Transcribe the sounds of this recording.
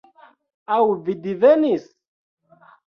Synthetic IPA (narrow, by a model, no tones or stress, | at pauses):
awvid̪ivænis